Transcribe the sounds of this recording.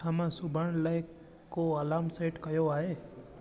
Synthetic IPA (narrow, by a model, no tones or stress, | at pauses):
amãsʊbʱəɳləj | koəlaːmseːʈkəjoaːɦeː